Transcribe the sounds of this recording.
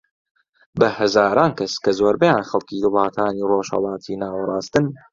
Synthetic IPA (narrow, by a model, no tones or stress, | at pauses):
bɐhɐzaːɾaːnkʰɐskɐzoːɾbɐjaːnxɐlˠkiːd̪ɨwlˠɑːt̪ʰaːniːroːʃhɐ̰lˠɑːt̪ʰiːnaːwɾˤɑːst̪ɨn